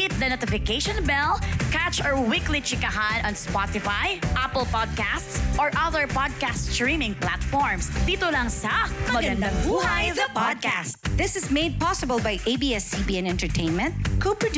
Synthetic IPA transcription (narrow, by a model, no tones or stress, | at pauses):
ɪt̪̚d̪ɐnot̪ɪfɪkeʃɔ̃nbɛlkæt͡ʃɔɹwɪklit͡ʃɪkɐɦanɐ̃nspɑt̪ɪfajʔapəlpɔd̪̚kæst̪sʔɔɹʔɐðəɹpɔd̪̚kastɹĩmɪ̃ŋpla̰t̪fɔɹmsd̪iːt̪olɐŋsɐmɐmɐɡɐ̃nd̪ɐ̃ŋbuːhajvðɐpɔd̪̚kæst̪̚ðɪsɪzmeɪd̪̚pɑsɪbəlˠbajʔeɪbiːɛsːibiːɛ̃nɛ̃nt̪ɛɹt̪ʰẽɪ̃nmɛ̃nt̪̚kʰopɹɔd̪